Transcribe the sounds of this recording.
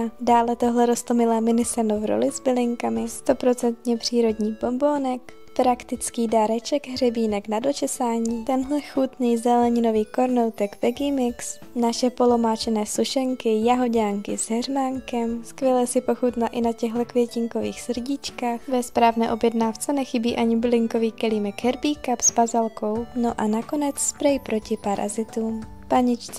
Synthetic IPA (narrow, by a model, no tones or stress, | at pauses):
daːlɛt̪oɦlɛɾo̞st̪lomɪlɛːmɪnɪsɛnovɾo̰lɪzbɪlɪŋkamɪst̪o̞pɾo̞t͡sɛnt̪ɲɛpr̝̥iːɾo̞dɲiːbo̞mbo̞ːnɛk | pɾakt̪ɪt͡skiːdaɾɛt͡ʃɛɡɦrɛbiːnɛknado̞t͡ʃɛsaːɲiːt̪ɛnɦlɛxut̪nijzɛlɛɲɪno̞viːko̞ɾnowt̪ɛɡvɛɡɪmɪks | naʃɛpo̞lo̞maːt͡ʃɛnɛːsuʃɛŋkɪjaɦo̞ɟaːŋkɪ̰z̥ɦɛrmaŋkɛmskvjɛlɛsɪpo̞xut̪naʔɪnacɛɣlɛkvjɛcɪŋko̞vḭːxsr̩ɟɪt͡ʃkaːxvɛspɾaːvnɛːʔo̞bjɛdnaːft͡sɛnɛxɪbiːʔaɲɪblɪŋko̞viːkɛliːmɛkɦɛɾbiːkapspazalko̞wnoʔanako̞nɛt͡sspɾɛjpɾo̞cɪpaɾʔa̰zɪt̪uːm | paɲɪt͡ʃt͡s